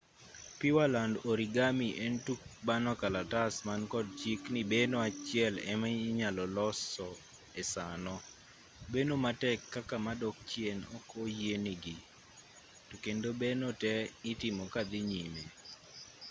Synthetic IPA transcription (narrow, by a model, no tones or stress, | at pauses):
pɪwalandoɾiɡamiʔentuk̚banɔkalatasmankɔd̚t͡ʃiknibenoat͡ʃɪɛlɛ̰maɲalɔlɔsɔ | ɛsanɔ | benomatɛkːakamadɔk̚t͡ʃjenɔ̰kojeniɡi | tukendobenotɛɪtɪmɔkad̪ɪɲime